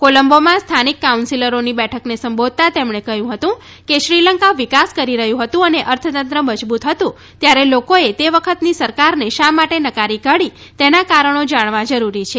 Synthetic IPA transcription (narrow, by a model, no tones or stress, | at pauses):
koləmbomãst̪ʰanikːaunsiləɾonibɛʈʰəknesəmbod̪̚t̪at̪emɳekəɦjũɦət̪ũ | keʃɾiləŋkaʋikaskəɾiɾəɦjũɦət̪ũəneʔəɾt̪ʰət̪ənt̪ɾəməd͡ʒbut̪ɦət̪ũ | t̪jaɾelokoet̪eʋəkʰət̪nisəɾkaɾneʃamaʈenəkaɾiɡəɽi | t̪enakaɾəɳ̃od͡ʒaɳ̃ʋãd͡ʒəɾuɾit͡ʃʰe